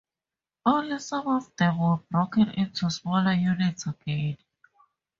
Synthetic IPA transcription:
ɔləsãmɔfd̪ɛwəbɹokə̃nɪ̰̃ntʰusmɔləjunɪtsəɡẽd

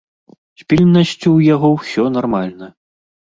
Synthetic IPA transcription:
sʲpʲilʲnːɐsʲt͡sʲuwjaɣɔwsʲɔnarmalʲnɐ

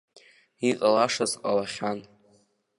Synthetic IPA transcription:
iqʼalaʂazqʼalaχʲan

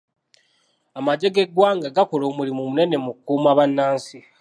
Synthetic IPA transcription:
amaɟe̞ɡe̞ɡwaːŋɡaɡakolo̞ːmulimumune̞ne̞mukkuːmaβanːaːnsi

